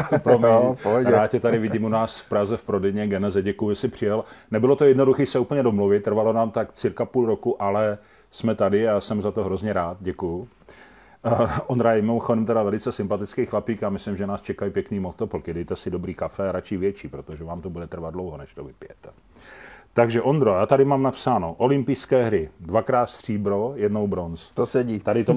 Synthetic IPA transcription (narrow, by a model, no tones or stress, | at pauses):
pɾomɲɛpoaːcɛt̪adɪvɪɟɪːmunaːsfpɾazɛfpɾodɛjɲɛɡɛnɛzɛɟɛkujʊʒɛsɪpr̝̥ɪjɛlnɛbɪlo̞t̪ojɛdno̞duxiːsɛupəɲɛdomluvɪt̪ːr̩valonaːmt̪akt͡sɪɾkapuːlɾo̞kuʔalɛ | smɛt̪adɪasɛmzat̪oɦɾo̞zɲɛɾaːt̪̚ɟɛkujʊ | ʔond̪ɾajɛɛmɪmoxodɛmt̪ɛɾavɛlɪt͡sɛsɪmpat̪ɪt͡skijxlapiːkjaːmɪslɪmʒɛnaːst͡ʃɛkajipjɛkniːmot̪opl̩kɪdɛjt̪ɛsɪdo̞bɾiːkafɛaɾat͡ʃɪvjɛt͡ʃiːpɾot̪oʒɛvaːmt̪obudɛt̪r̩vad̪dlowɦonɛʃt̪ovɪpɪjɛt̪ɛ | t̪aɡʒɛʔond̪ɾojaːt̪adɪmaːmnapsaːno̞ʔo̞lɪmpɪjskɛːɦɾɪdvakɾaːt̪st̪r̝̥iːbɾojɛdnowbɾonst̪osɛɟit̪adɪt̪o